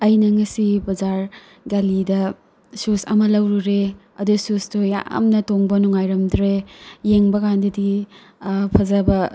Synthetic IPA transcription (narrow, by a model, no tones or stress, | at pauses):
ɐjnɐŋɐsibɐzaɾ | ɡalidɐ | susɐ̰mɐlɐwɾuɾe | ɐ̰dususdoja̰mnɐtoŋbɐnuŋajɾɐmdɾejeŋbɐkʰandɐdi | pʰɐzɐbɐ